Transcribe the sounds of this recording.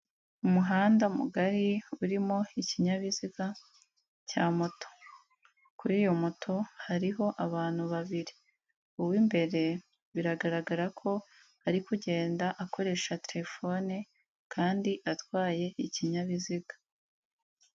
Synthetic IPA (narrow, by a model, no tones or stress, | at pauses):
umuɦaːndamṵɡaɾiuɾimo̞iciɲaβiziɡa | caːmoto̥ | kuɾiːjo̞motʰo̞haɾiɦo̞ʔaβaːn̥huβaβiɾi | uwimbe̞ɾe̞ | βiɾaɡaɾaɡaɾakʰo̞ | aɾikuɟe̞ːndaʔakʰo̞ɾe̞ʃateɾefo̞ne | kʰaːndiʔatwaːje̞ʔiciɲaβiziɡḁ